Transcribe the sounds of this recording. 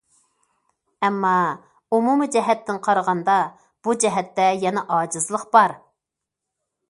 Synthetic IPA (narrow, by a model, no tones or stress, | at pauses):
ɛmːɑ | umumɨd͡ʒɛɦɛt̪ːɪnqʰɑɾəʁɑnd̪ɑ | b̥ud͡ʒɛɦɛt̪ːɛjɛnɛʔɑːd͡ʒɨzlˠəqb̥ɑɾ